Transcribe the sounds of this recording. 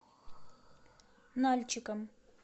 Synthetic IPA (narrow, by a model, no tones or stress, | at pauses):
nalʲt͡ɕɪkəm